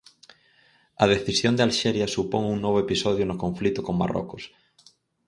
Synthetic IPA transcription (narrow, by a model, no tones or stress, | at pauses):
ɐðeθisjond̪ealʃeɾjasupoŋuŋnoβ̞oepisoðjonʊkoɱflit̪ʊkoŋma̰ro̰kʊs